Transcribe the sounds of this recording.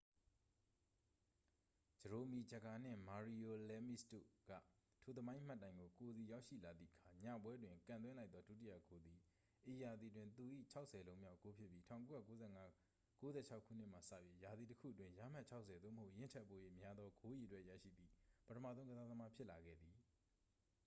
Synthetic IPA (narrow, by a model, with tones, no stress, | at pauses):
d͡ʑə˨ɹo˨mi˨d͡ʑə˨ɡa˨n̥ɪ̰̃˦˨ma˨ɹi˨o˨lɛ˦mḭ˦sto̰˦˨ɡ̥ä̰˦˨ | tʰu˨t̪̬ə˨mã˦ɪ̃ʔm̥a˦˨tːã˦ɪ̃ŋɡo˨ko˨d̪i˨ja˦ʊʔʃḭ˦˨la˨d̪ðḭ˦ʔəkʰa˨ɲa̰˦˨pwɛ˦dwɪ̃˨ŋkã˨nt̪wɛ̃˦la˦ɪt̪ðɔ˦du˦˨t̬i˦jä̰˦˨ɡ̥o˨d̪i˨ | ʔe˨ja˨d̪ði˨t̬wɪ̃˦nt̪u˨ʔḭ˦˨t͡ɕʰa˦ʊʔsʰɛ˨lõ˦ʊ̃mja˦ʊko˦pʰjɪ˦pːji˦tʰã˦˨ʊ̃ko˦ja̰˦˨˦ɛ˦ | ko˦zɛ̰˦˨t͡ɕʰa˦ʊkʰːṵ˦˨n̥ɪ˦ʔma˨sä̰˦˨pji˦ja˨d̪i˨təkʰṵ˦˨ətwɪ̃˦ja˨m̥a˦ʔt͡ɕʰa˦ʊʔsʰɛ˨d̪ðo˦˨məɦho˦ʊʔjɪ̃˦˨t͡ɕʰɛ˦ʔpo̰˦˨je˦˨mja˦d̪ðɔ˦ɡo˦ji˨ətwɛ˦ʔjä̰˦˨ʃḭ˦˨d̪ði˨pətʰəmä̰˦˨zõ˦ʊ̃ŋɡəza˦ðə˦ma˦pʰjɪ˦ʔla˨ɡɛ̰˦˨d̪i˨